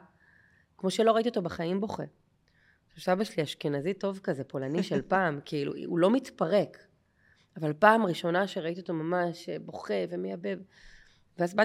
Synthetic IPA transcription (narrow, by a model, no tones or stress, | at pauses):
kmo̞ʃelo̞ʁaitio̞t̪obaχaimbo̞χḛ | ʃusabaʃliaʃkenazito̞vkazepo̞laniʃelpaːmkiilṵṵlo̞mitpaʁe̞k | avalpaːmʁiʃo̞naʃeʁaitiot̪omamaʃebo̞χe̞vemejabev | veazba